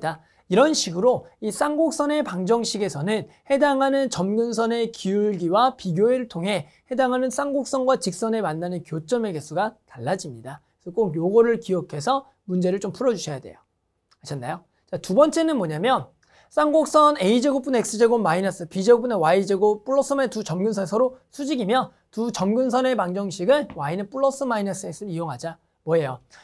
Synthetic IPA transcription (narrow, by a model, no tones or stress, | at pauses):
da | iɾʌnɕʰiɡɯɾois͈ʰaŋɡok̚s͈ʌne̞paŋd͡ʑʌŋɕʰiɡe̞sʰʌnɯn | he̞daŋɦanɯnt͡ɕʌmɡuns̬ʰʌne̞kiuɭɡiwapiɡjoeɾɯɭtʰoŋɦe̞ | he̞daŋɦanɯns͈ʰaŋɡok̚s͈ʌnɡwat͡ɕik̚s͈ʌne̞manːanɯnkjot͡ɕ͈ʌme̞ɡesʰuɡataɭːad͡ʑimɲida | sʰʌk͈okjoɡʌɾɯɭkiʌkʰe̞sʰʌ | mund͡ʑe̞ɾɯɭt͡ɕ͈ompʰuɾʌd͡ʑuɕʰʌjade̞̰jo | aɕʰʌnːa̰jo | t͡ɕatubʌnt͡ɕ͈enɯnmʌɲamjʌn | sʰaŋɡok̚s͈ʌne̞id͡ʑeɡop͈une̞k̚s͈ɯd͡ʑeɡomːainas͈ɯpid͡ʑeɡopunewaid͡ʑeɡop͈uɭːʌs͈ʰɯmaetut͡ɕʌmɡunsʰʌnesʰʌɾosʰud͡ʑiɡimjʌ | tut͡ɕʌmɡuns̬ʰʌne̞paŋd͡ʑʌŋɕʰiɡɯnwainep͈uɭːʌs͈ɯmainas͈ɯes͈ɯɾijoŋɦad͡ʑa | mwʌe̞jo